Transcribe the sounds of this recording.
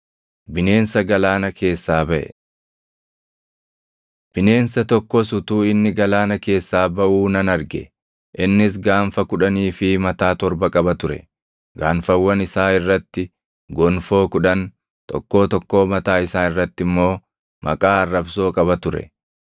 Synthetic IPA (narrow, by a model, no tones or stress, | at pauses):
bɪne̞ːnsɐɡɐlaːnɐkʰe̞ːsːaːbɐʔɛ̰ | b̥ɪne̞ːnsɐt̪ɔkːosʊt̪uːɪnːɪɡɐlaːnɐke̞ːsːaːbɐʔuːnɐnɐɾɡɛ | ʔɪnːɪs̬ɡaːnfɐkʊᶑɐniːfɪmɐt̪aːt̪ɔɾbɐkʼɐbɐt̪ʊɾɛ̰ | ɡaːnfɐwːɐnɪsaːɪrːɐt̪ːɪ | ɡɔnfo̞ːkʊᶑɐn | t̪ɔ̰kːo̞ːt̪ɔkːo̞ːmɐt̪aːɪsaːnɪrːɐt̪ːɪmːo̞ː | mʔɐ̰kʼaːɐrːɐbso̞ːkʼɐbɐt̪ʊɾɛ̰